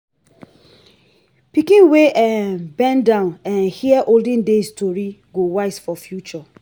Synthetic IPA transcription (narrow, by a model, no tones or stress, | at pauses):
pikĩnweʔɛbɛ̃ndãʊ̃nɛ̃nhiɛʔoldɪ̃ndestʰoɾiɡowaɪsfɔfjut͡ʃɔ